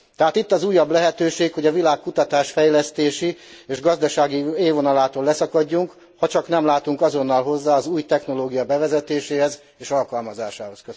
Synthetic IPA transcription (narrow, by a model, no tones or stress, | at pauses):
t̪ɛɦaːt̪it̪ːɒzuːjːɒblɛɦɛt̪øːʃeːkho̞ɟɒvilaːkkut̪ɒt̪aːʃfɛjlɛst̪eːʃieːʒɡɒzd̪ɒʃaːɡieːvo̞nɒlaːt̪oːlɛsɒkɒɟːuŋk | hɒt͡ʃɒknɛmlaːt̪uŋkɒzo̞nːɒlɦo̞zːaːɒzuːjt̪ɛxno̞loːɡijɒbɛvɛzɛt̪eːʃeːɦɛz | eːʃɒlkɒlmɒzaːʃaːɦo̞skø